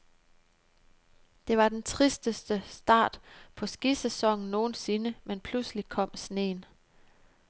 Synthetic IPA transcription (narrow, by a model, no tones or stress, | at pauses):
d̥e̝ʋɑ̈d̥ent͡sʰʁisd̥əsd̥əsd̥ɑ̈ːd̥pʰɒ̽sɡ̥isesɒ̽ŋ̰n̩no̝ːn̩se̝nəmenpʰlusli̥kʰɒ̽m̰sne̝̰ːn